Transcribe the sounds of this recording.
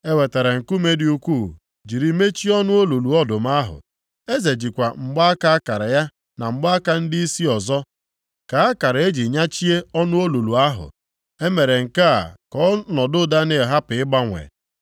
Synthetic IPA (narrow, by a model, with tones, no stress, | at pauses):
e˦we˨te˨ɾe˨ŋ̩˨ku˦me˦di˦u˦kʷu˦˨ | d͡ʒi˨ɾi˨me˦t͡ʃi˦ɔ˦nʊ˦o˦lu˨lu˨ɔ˦dʊ˨m˦a˦ɦʊ̰˨ | e˦ze˨d͡ʒi˨kʷa˨ŋ͡m̩˨ɡ͡ba˦a˦ka˦a˦ka˨ɾɪ˨ja˦ | na˨ŋ͡m̩˨ɡ͡ba˦a˦ka˦n̩˦dɪ˦i˦si˦ɔ˨zɔ˦ | ka˨a˦ka˨ɾe˦d͡ʒi˨ɲa˦t͡ʃi˦e˦ɔ˦nʊ˦o˦lu˨lu˨a˦ɦʊ̰˨ | e˦me˨ɾe˨ŋ̩˨ka˦a̰˨kɔ˦nɔ˨dʊ˦da˦ne˨e˨ɦa˦pɪ˨ɪ˦ɡ͡ba˦ŋʷḛ˨